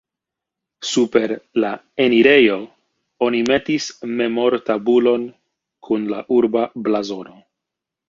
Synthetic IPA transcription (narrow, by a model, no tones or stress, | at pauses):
supe̞ɾla | e̞niɾe̞jo̞ | o̞nime̞tisme̞mo̞ɾtabulo̞n | kʰunlaʔuɾbablazo̞no̞